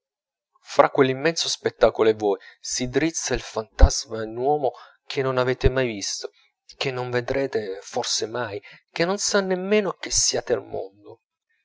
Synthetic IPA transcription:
fɾʔakːwelːimːɛnsospet̪ːaːkoloɛvɔjsid̪ɾit̪sːailfant̪azmanwɔːmo | k̟ʰenːonavɛːt̪emajvist̪o̥ | k̟enːoɱved̪ɾeːt̪eforsemajkenːonsanːemːeːnok̟esːiaːt̪ea̰lmo̰nd̪o

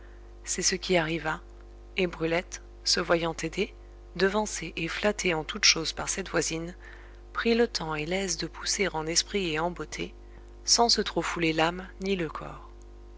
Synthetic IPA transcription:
sɛsəkʲiaʁiva | ebʁylɛt̪ | səvwajɑ̃t̪ed̪e | d̪əvɑ̃seʔeflat̪ʰeɑ̃t̪ut̪ʃozpaʁsɛt̪vwazin | pχilət̪ʰɑ̃elɛzd̪əpʰu̥seʁɑ̃nɛspχieɑ̃bot̪ʰe | sɑ̃sət̪χofulelamniləkʰɔ̰ːʁ

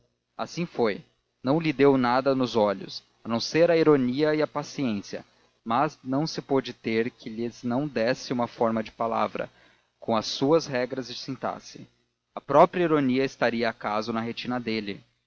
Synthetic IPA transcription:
a̰sĩfoj | nɐ̃w̃lɪd̪ewnad̪ɐnʊzɔʎʊ̰s | ɐnõw̃seɾɐiɾoniɐɪɐpasiẽsiɐ̰ | mɐznɐ̃w̃sɪpod͡ʒɪt̪eɾkʰɪʎɪznɐ̃w̃d̪ɛsɪũmɐfɔɾmɐd͡ʒɪpala̰vɾɐ̰ | kõw̃ɐsːuɐzɦɛɡɾɐzɪsĩnt̪a̰sɪ | ɐpɾɔpɾiɐiɾoniɐɪst̪aɾiɐːkazʊnɐɦet͡ʃĩnɐd̪elɪ

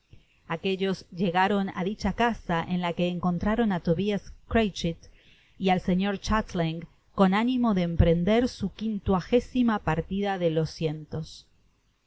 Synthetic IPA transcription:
akeʎo̞zʒe̞ɣaɾo̞na̰ðit͡ʃakasaʔenlake̞ːŋko̞nt̪ɾaɾo̞nat̪o̞βiaskɾejt͡ʃit̪ | ialse̞ɲo̞ɾt͡ʃat̪liŋ | ko̞nanimo̞ðeːmpɾe̞nd̪e̞ɾsukint̪waxe̞simapaɾt̪iðaðelo̞sje̞nt̪o̞s

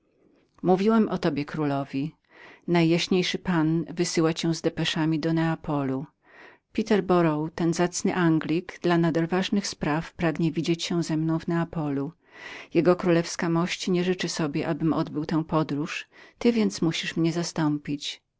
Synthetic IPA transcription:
muvʲiwɛmʔɔt̪ɔbʲjɛkɾulɔvʲi | najːaɕɲejʂɘpanvɘsɘwat͡ɕɛ̃zd̪ɛpɛʂamʲid̪ɔnɛapɔlu | pʲit̪ɛɾbɔɾɔwt̪ɛnzat̪snɘʔaŋɡlʲiɡd̪lanad̪alvaʐnɘxspɾafpɾaɡɲɛvʲid͡ʑet͡ɕɕɛ̃zɛmnɔ̃w̃vnɛapɔlu | jɛɡɔkɾulɛfskamɔɕt͡ɕɲɛʐɘt͡ʂɘsɔbʲjɛʔabɘmʔɔd̪bɘwt̪ɛ̃w̃pɔd̪ɾuʂt̪ɘvʲjɛnt̪smuɕiʂmɲɛzast̪ɔmpʲit͡ɕ

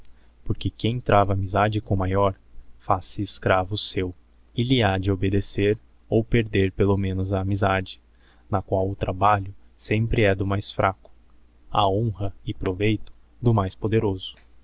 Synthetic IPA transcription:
poɾkɪkẽj̃t̪ɾʔavɐːmizad͡ʒɪkõmajɔɾ | fasɪːskɾavʊsew | ɪlɪad͡ʒɪobed̪eseɾ | owpeɾd̪eɾpelomẽnʊzɐːmizad͡ʒɪ̥ | nɐkwawʊt̪ɾabaʎʊsẽmpɾɪɛd̪ʊmajsfɾʔakʊ̥ | ɐ̰õɦɐɪpɾovejt̪ʊ̥d̪ʊmajspod̪eɾozʊ̥

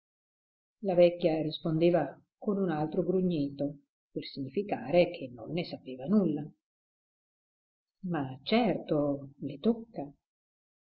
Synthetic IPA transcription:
lavɛkːjarispond̪eːva | konunalt̪ɾoɡɾuɲːiːt̪o | persiɲːifikaːɾek̟ʰenːo̰nːesapeːvanulːa | mat͡ʃɛrt̪olet̪okːa

